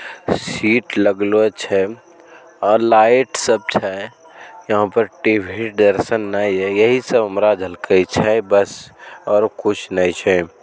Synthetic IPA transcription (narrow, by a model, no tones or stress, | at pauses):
siːʈləɡloet͡ʃʰɛ | ɔːɾlaːɪʈsəb̚t͡ʃʰɛ | jɐɦãpəɾʈibʱiʈ̚d̪əɾsənːaiɦɛjəɦisəbəmɾad͡ʒʱɦəlkəit͡ʃʰɛbəsɔːɾkʊt͡ʃʰnait͡ʃʰɛ